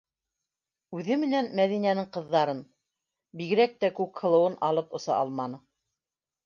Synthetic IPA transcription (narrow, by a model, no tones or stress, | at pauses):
ʉðɘmɘ̆nænmæðinænɘŋqɤ̆ðːɑɾɤn | biɣɘ̆ɾæk̚t̪ækʉkhɤ̆lˠɤ̆wɤnʔɑlˠɤpŏsɑ̰ʔɑlˠmɑnɤ